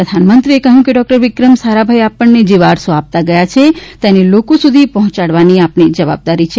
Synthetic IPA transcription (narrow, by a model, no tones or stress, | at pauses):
ɾəd̪ʱanmənt̪ɾiekəɦjũkeɖɔk̚ʈəɾʋɪkɾəmsaɾabʱajapəɳːed͡ʒeʋaɽsoap̚t̪aɡəjat͡ʃʰet̪enelokosud̪ʱipɔɦɔ̃t͡ʃaɽʋaniapɳid͡ʒəʋa̰b̚d̪aɾit͡ʃʰe